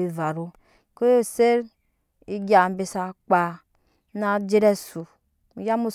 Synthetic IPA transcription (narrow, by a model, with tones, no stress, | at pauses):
i˨va˨ɾo˦ | ko˦jo˦se˦ɾ | i˦ɡa˨m˦be˨sa˨k͡pa˨ | na˨d͡ʒe˦ɾɛ˦su˨ | ja˦mu˦